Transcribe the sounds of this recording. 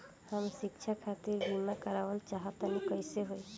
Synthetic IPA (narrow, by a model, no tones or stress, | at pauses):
həmʃikt͡ʃʰakʰat̪iɾbimakəɾaʋəlt͡ʃaɦat̪ənikəjseɦoi